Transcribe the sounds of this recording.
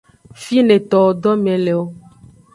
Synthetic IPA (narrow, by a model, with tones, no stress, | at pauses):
fi˦nẽ˨t̪ɔ˨o˨ɖɔ˦mɛ̃˨le˨wo˦